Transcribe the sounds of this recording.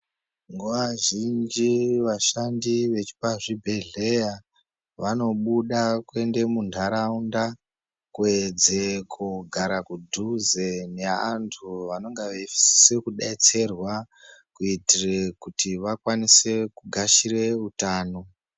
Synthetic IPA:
ŋɡoʋaʒind͡ʒiʋaʃandiʋe̞t͡ʃi̥paʐibʱe̞ɮe̞ja | ʋano̞ɓuɗakwe̞nde̞mundʱaɾaunda | kwed͡zekʰuɡʱaɾakudʱuzeneantʰuʋano̞ŋɡaʋefi̥si̥se̞kuɗait͡se̞rwa | kuitirekutiʋakwanise̞kuɡʱaʃire̞utaːno̞

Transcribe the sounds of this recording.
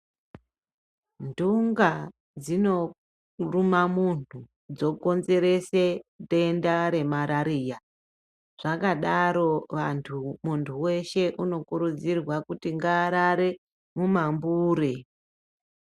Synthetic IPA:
nduŋɡa | d͡zino̞ | rumamuntu | d͡zo̞ko̞nze̞ɾe̞se̞ɗe̞ndaɾe̞maɾaɾija | ʐ̥akaɗaɾo̞ʋantʰumuntʰuwe̞ʃe̞ʔuno̞kuɾud͡zirwakutiŋɡaːɾaɾe̞ | mumambuːɾe

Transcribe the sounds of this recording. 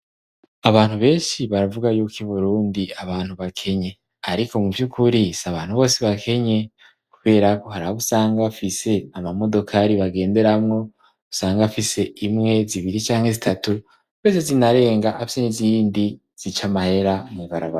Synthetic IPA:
aβaːn̥huβe̞ːnʃiβaɾavuɡajukiβuɾuːndiaβaːnhuβakʰe̞ɲe̞ | aɾiko̞muvjukʰuɾisaβaːn̥huβo̞ːseβakʰe̞ɲe̞ | kuβe̞ːɾako̞haɾaoβusaːŋɡafise̞amamo̞do̞kʰaɾiβaɡe̞ːnde̞ɾamŋo̞ | βusaːŋɡafise̞ʔimŋe̞ziβiɾit͡ʃaːŋhe̞zitʰatu | kuβeːzezinaɾe̞ːŋɡaʔafiseniziːndi | z̥it͡ʃamahe̞ɾaniβaɾaβa

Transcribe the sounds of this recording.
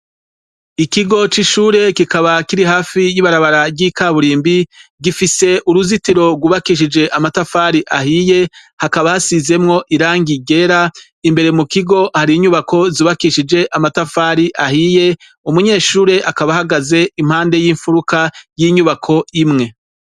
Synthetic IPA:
ikiɡo̞t͡ʃiʃuːɾe̞kikaβakiɾiɦhaːfijiβaɾaβaɾabɡiːkaːβuɾiːmbiɡifise̞ʔuɾuzitiɾo̞ɡwuːβakiʃ̬id͡ʒe̞ʔamatafaːɾiʔahije̞ | hakaβahasize̞mŋo̞ʔiɾaːŋɡiɡe̞ɾa | imbe̞ɾemukiɡo̞haɾiːɲuβako̞ziβakiʃid͡ʒe̞ʔamatafaːɾiʔahije̞ | umuɲe̞ːʃuːɾe̞ʔakaβahaɡaze̞im̥haːnde̞jiːɱfuɾukajiɲuβakʰo̞imŋe̞

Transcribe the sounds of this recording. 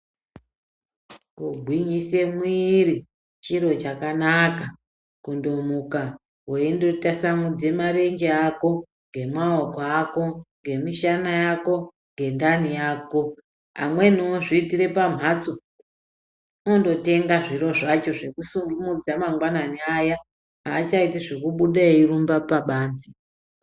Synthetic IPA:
kuɡʱwiɲise̞mwiːɾi | t͡ʃiɾo̞t͡ʃakanaka | kundomuka | ɦweindotasamud͡ze̞maɾe̞ɲɡeako̞ | ŋɡe̞maokoako̞ŋɡe̞miʃanajako̞ | ŋɡe̞ndanijaːko̞ | a̰mwe̞nioʐiːtiɾe̞pam̤ʱat͡so | ondo̞te̞ŋɡaʐiɾo̞ʐat͡ʃo̞ʐekusuŋɡumud͡zamaŋɡwananiaja | aːt͡ʃaitiʐekuɓuɗairumbapaɓaːnzi

